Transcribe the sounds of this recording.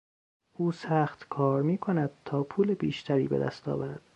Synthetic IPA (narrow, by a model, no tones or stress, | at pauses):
ʔuːsæːxt̪kʰɒːɾmiːkʰo̞næd̪̥̚t̪ʰɒːpʰuːlebiːʃt̪ʰæɾḭːbed̪æ̰st̪ʰɒ̰ːvæɾæd̪̥